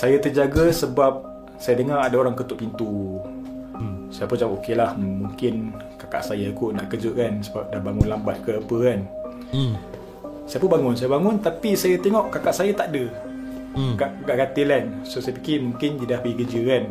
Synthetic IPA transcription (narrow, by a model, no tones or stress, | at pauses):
sajat̪əd͡ʒaɡasəbap̚ | sajadəŋaadaoɾaŋkət̪ʊʔpint̪u | sajapud͡ʒaŋɔʔokelahmuŋkɪn | kaka̰ʔsajaikuna̰ʔkəd͡ʒəʔkansəbap̚dabaŋʊnlambat̪̚kəapəkan | sajap̬unbaŋʊnsajabaŋʊnt̪apisajat̪eŋɔʔkakaʔsajat̪aʔdə | ɡaʔɡaʔɡat̪ilansosajəpikimuŋkɪnd͡ʒidahpəiɡəd͡ʒəkan